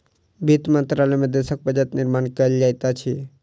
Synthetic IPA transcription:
bʱit̪mənt̪ɾalɛmẽd̪esək̚bəd͡ʒət̪nɪɾmaːnkəld͡ʒaːjt̪at͡ʃʰi

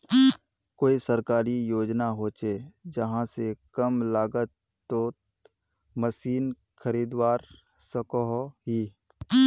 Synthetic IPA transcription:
koːisəɾkaːɾijoːd͡ʒnaɦoːt͡ʃed͡ʒəɦãsekəmlaːɡət̪ | t̪ːo | məsiːn | kʰəɾiːd̪waːɾ | səkoɦɦi

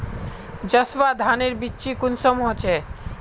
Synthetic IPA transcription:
d͡ʑəsʋad̪ʱaneɾbitːɕʰikunsomɦot͡ɕʰe

